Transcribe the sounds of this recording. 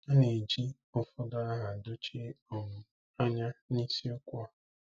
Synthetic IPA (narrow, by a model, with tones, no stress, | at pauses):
a˦ne˨d͡ʒi˦ | ʊ˦fʊ˦dʊ˦a˦ɦa˨do˦t͡ʃe˦ɔ˨ŋʊ˨ | a˦ɲa˦ni˦si˦ʊ˦kʷa˦˨